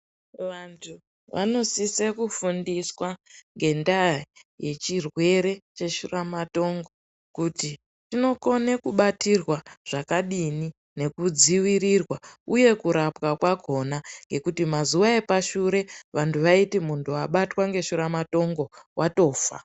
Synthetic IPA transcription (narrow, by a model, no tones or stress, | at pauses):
ʋantʰu | ʋʔa̰no̞sisekufundiswaŋɡe̞ndaje̞t͡ʃirwe̞ɾe̞t͡ʃe̞ʃuramato̞ŋɡo̞ | kuti | tino̞ko̞ne̞kuɓatirwaʐ̥akaɗini | ne̞kud͡ziwirirwauje̞kuɾapwakwako̞naŋɡe̞kutimazuwae̞paʃuɾe̞ʋantʰuʋaitimuntʰuaɓatwaŋɡe̞ʃuɾamato̞ŋɡo̞wʔato̞ːfa̰